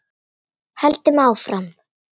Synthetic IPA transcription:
halt̪ɪmawfɾam

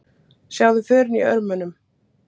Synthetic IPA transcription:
sjaːwðʏfʏːɾɪniœ̰ɾmʏnʏm

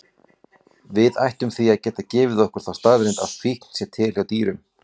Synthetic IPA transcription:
vɪða̰jht̪ʏmθiaðcɛːt̪acɪːvɪðɔhkʏɾ̥θawst̪aɣðɾejnt̪a̰ðfihkn̥sjɛɾt̪ʰɪːlhjawt̪iːɾʏm

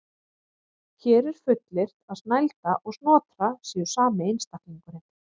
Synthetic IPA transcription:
çʰɛːɾɛɾ̥fʏt̪lɪr̥t̪aðsnajlt̪aʔɔɣsnɔːt̪ɾasɛʏ̥saːmɪejnst̪ahk̪liŋkʏɾɪm

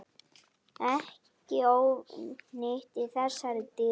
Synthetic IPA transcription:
ɛh | cɪoːwnɪht̪ɪðθɛsːaɾɪt̪ɪ

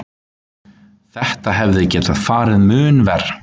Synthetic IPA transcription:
θɛht̪aɦɛvðɪcɛːt̪að̥faːɾɪðmʏːnvɛr̥

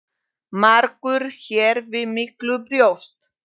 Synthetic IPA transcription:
maɾkʏɾ̥çɛːɾvɪðmɪklʏpɾjowst̪

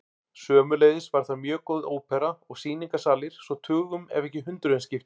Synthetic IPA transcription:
sœːmʏleːjðɪsvaɾ̥θamjœːkowðoːwpʰɛɾaɔɣsiːniŋkasaːlɪɾ̥sɔt̪ʰʏːɣʏmɛ̰vɛhcɪɦʏnt̪ɾʏðɪnscɪft̪

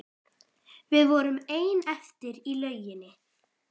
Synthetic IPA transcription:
vɪðvɔɾʏmeːjnɛft̪ɪɾilœːɥjɪnːɪ

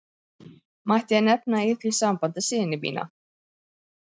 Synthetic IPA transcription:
maht̪ɪjɛnɛpnaiθisampant̪ɪsɪːðɪnɪmḭːna̰

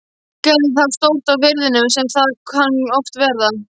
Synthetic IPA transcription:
cɛɾɪθaðst̪owl̥t̪avvɪɾðɪnʏmsɛmθaðkʰanɔft̪vɛɾða

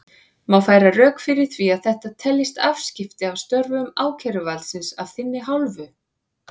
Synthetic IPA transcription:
mawfaːjɾarœːkfɪɾɪɾ̥θviaðθɛht̪at̪ʰɛlːɪst̪av̥scɪft̪ɪawst̪œɾvʏmaːwcʰɛɾʏvalsɪnsav̥θɪnːɪɦawlvʏ

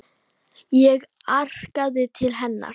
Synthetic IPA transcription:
jɛɣ | ar̥kaðɪt̪ʰɪlɦɛnːa̰ɾ

